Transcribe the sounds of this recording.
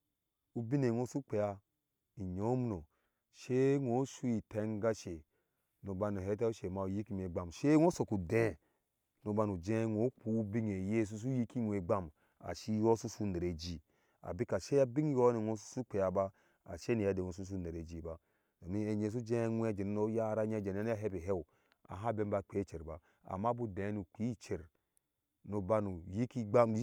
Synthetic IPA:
u˦bi˦ne˨ŋo˦su˦k͡pe˨ja˨ | i˨ɲo˦m˦no˨ | ʃe˦ŋo˨˦ʃu˦i˨te˨˦ŋ˦ɡa˦ʃe˨ | no˨ba˧no˨ɦe˨˦t̬a˦u˦ʃe˨ma˨u˨ji˦ki˦n˨e˨ɡ͡ba˨mʃe˦ŋo˦so˨ku˨dẽ˦˨ | nu˨ba˧nu˨d͡ʒẽ˦ŋo˨˦k͡pu˦u˦bi˦ŋe˨je˦˨s̬u˦s̬u˦ji˦ki˦nʷ˨e˨ɡ͡ba˦m | a̰˨ʃi˦jo˦su˦su˦ne˨ɾe˨d͡ʒi˨ | a̰˨bi˦ka˨ʃe˦a˦bi˦ŋ˦jo˦ni˨no˦su˦su˦k͡pe˨ja˨ba˦ | a̰˨ʃe˦ni˨ja˨˦de˨no˨s̬u˦s̬u˦ne˨ɾe˨d͡ʒi˨ba˦ | da˨mi˦e˨ɲe˨s̬u˦d͡ʒẽ˦ŋʷ˦e˦d͡ʒe˨n˦no˦ja˦ɾa˦ɲe˦˨d͡ʒe˨n˦a˦a˦ɦe˦be˨ɦe˦w | a̰˨ɦa˦be˦m˦ba˦k͡pe˦t͡ʃe˨ɾba˨ | a̰˨ma˦bu˦dẽ˨˦nu˨ki˦t͡ʃe˨ɾ | no˨ba˦nu˨ji˦ki˦ɡ͡ba˦

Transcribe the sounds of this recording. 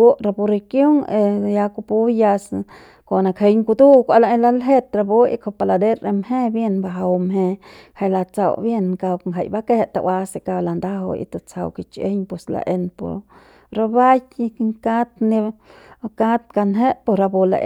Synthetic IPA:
u˦ɾa˧bu˧ɾe˧kjo˦ŋe˧ja˧ku˧pu˧˦ja˧s | ko˨na˧kʰe˧jŋku˧d̪u˦kʷa˧la˧e˦la˧˦lɦe˦t̪ɾa˧bo˦ḭ˧kʰo˧pa˧la˧d̪e˦ɾe˧mhe˦bje˧nba˧ɦa˧wmɦe˧ | ha˧jla˧t͡sa̰˨˧wbje˧nka˧bŋɦa˧jba˦ke˦˧t̪a̰˧wa˧se˧ka˧la˨nd̪a˦ɦo̰˧ḭ˧t̪a˧t͡sa˨˧wki˧t͡ʃḛ˦ɲpe˨sla̰˧ʔe˧npo̰˨ɾ | ɾa˧ba˦j̪ŋka˦t̪ni˧ | ka˦t̪ka˧nɦe˦po˧ɾa˧bo˧la̰˧ʔ

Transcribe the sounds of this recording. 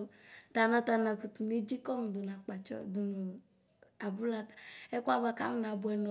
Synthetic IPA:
ta˨na˨ta˨na˨ku˨tu˨ne˦d͡ʒi˦kɔ˦m˨du˨na˨k͡pa˨t͡ʃɔ̰˨du˨nu˨ | a˨bu˦la˦tḁ˨ɛ˦kʷa˦βa˨ka̰˦mu˦n˨a˨bʊ˨ɛ˨nɔ˨

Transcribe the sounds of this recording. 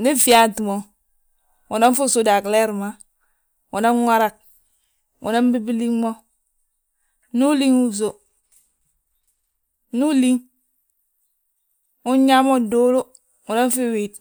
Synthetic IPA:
ni˦fi˦a˦ti˨mo˨ | wu˨na˦n˦fu˦su˦da˨kle˦ɾma˨ | wu˨na˦nwʷa˦ɾa˨k̚ | wṵ˨na˦m˦bi˦bi˦li˦ŋmo˦ | nu˦li˦ŋu˦so˨ | nu˦li˦ŋ | u˦ɲa˦mo˦do˦lo˦ | wu˨na˦n˦fi˦wi˨t̚

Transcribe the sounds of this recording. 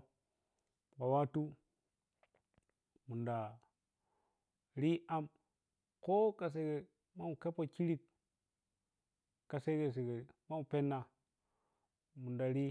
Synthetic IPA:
ba˨wa˦tu˦ | mu˨nda˨ | ɾi˦a˦m | ko˦ka˨s̬e˦ɡe˨ | ma˦mu˨ke˦po˦ki˦ɾi˦k | a˨se˦ɡe˨s̬e˨ɡe˨ma˦u˨pe˦nːa˨ | mu˨nda˨ɾi˦

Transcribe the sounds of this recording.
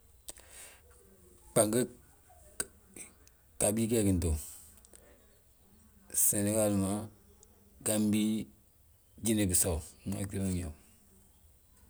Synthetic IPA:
k͡pa˨ŋɡə˦ | ka˨bi˦kɛ˦ki˨n˨to˨ | sɛ˨ne˦ka˦˨lu˨ma˨˦ | ɡa˦m˦bi˦ | d͡ʒi˦ne˨bi˨sa˨wŋa̰˨ki˦o˦˨ɲo˨

